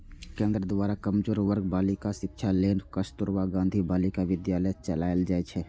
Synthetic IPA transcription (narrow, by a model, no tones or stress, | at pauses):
kẽːnd̪ɾəd̪ʋaːɾakəmd͡ʒoːɾʋəɾɡ̚baːlɪkaʃɪkʃʰaleːnkəst̪ʊɾwaɡãːnd̪ʱibaːlikaʋɪd̪jaːlət͡ʃəlaːɪld͡ʒaːɛt͡ʃʰɛ